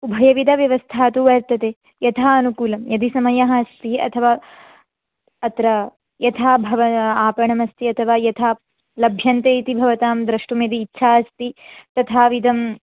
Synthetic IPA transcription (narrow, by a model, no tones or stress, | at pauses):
ubʱɐjɐʋid̪ɐʋjɐʋɐst̪ʰaːt̪uʋɐɾt̪ɐt̪eː | jɐt̪ʰaːɐnukuːlɐmjɐd̪isɐmɐjɐɦɐst̪iɐ̰t̪ʰɐʋaː | ɐt̪ɾɐ | jɐt̪ʰaːbʱɐʋɐaːpɐɳɐmɐst̪iɐt̪ʰɐʋaːjɐt̪ʰaː | lɐbʱjɐnt̪eːit̪ibʱɐʋɐt̪aːmd̪ɾɐʂʈumjɐd̪iːtːʃʰaːɐst̪it̪ɐt̪ʰaːʋid̪ɐm